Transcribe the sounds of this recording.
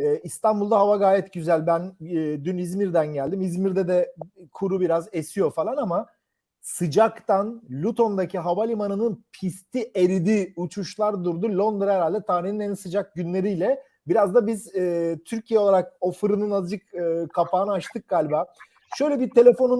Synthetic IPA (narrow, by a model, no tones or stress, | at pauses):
ɛːist̪anbulˠd̪aɦavaɡaːjɛt̪ɟyzælʲbænːd̪ynizmiɾd̪ænɟælʲd̪imizmiɾd̪ɛd̪ɛkʰuɾubiɾazesijo̞falˠanama | sɯd͡ʒakt̪ʰanlʲut̪ʰo̞nd̪acʰiɦavalʲimanɯnɯnpʰist̪ʰiʔeɾid̪iːut͡ʃʰuʃlˠaɾd̪uɾd̪ulʲo̞nd̪ɾɛɾalʲd̪ɛt̪ʰaːɾihninænsɯd͡ʒak̚ɟynlʲe̞ɾijlʲɛ | biɾazd̪abiz̥ɛːt̪ʰyɾcʰijɛoaɾak̚ofɯɾɯnɯnad͡ʒɯkɯːkʰapaːnɯat͡ʃt̪ʰɯk̚ɡ̥aːlʲbaː | ʃø̞jlʲɛbiɾt̪ʰe̞lʲe̞fo̞nu